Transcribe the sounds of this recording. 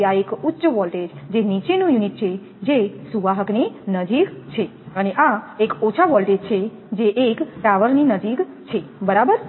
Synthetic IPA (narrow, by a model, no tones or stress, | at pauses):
aekutːʃəʋɔlʈed͡ʒd͡ʒenit͡ʃenũjuniʈ̚t͡ʃʰe | d͡ʒesuʋaɦəkninəd͡ʒikt͡ʃʰe | əneʔaekot͡ʃʰaʋɔlʈed͡ʒt͡ʃʰe | d͡ʒeʔekʈɾaʋəɾninəd͡ʒik | t͡ʃʰebəɾabəɾ